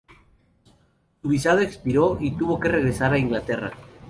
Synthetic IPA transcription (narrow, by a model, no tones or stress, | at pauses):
suβisað̞oekspiɾo̞it̪uβo̞ke̞re̞ɣɾe̞saɾaiŋɡlat̪e̞ra̰